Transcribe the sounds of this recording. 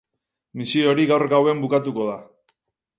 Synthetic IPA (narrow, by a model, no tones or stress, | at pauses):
misio̞ɾiɣawɾɣawe̞mbukat̪uko̞ð̞a